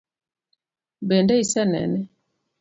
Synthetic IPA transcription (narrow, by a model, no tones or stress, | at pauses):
bɛndɛisɛnɛ̰nɛ